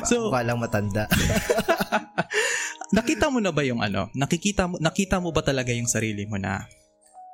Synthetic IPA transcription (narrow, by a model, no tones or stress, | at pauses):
sowaːlɐŋmɐt̪ɐnd̪aʔ | nɐkiːt̪ɐmonɐbɐjʊŋʔɐ̰no̞̰nɐkɪkiːt̪ɐmnɐkiːt̪ɐmobɐt̪ɐlɐɡajʊŋsɐɾiːlɪmonɐ̰